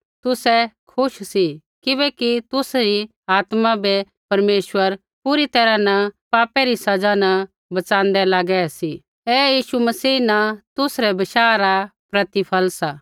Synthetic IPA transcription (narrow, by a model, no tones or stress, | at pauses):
t̪ʊsɛkʰʊʃsi | kɪβɛkit̪ʊsɾi | aːt̪mabɛ | pɐɾmeːʃwəɾ | pʊɾit̪ɛːɾanapaːpɛɾisɐd͡ʒana | bɐt͡ʃãːnd̪ɛlaːɡɛsi | ɛːjiːʃumɐsiːnat̪ʊsɾɛbɪʃaːɾapɾɐt̪ipʰəlsaː